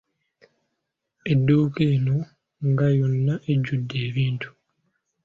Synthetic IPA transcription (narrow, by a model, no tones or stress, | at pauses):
e̞dːuːkeːno̞ | ŋɡajo̞nːaʔeɟːudːe̞ːβiːntu̥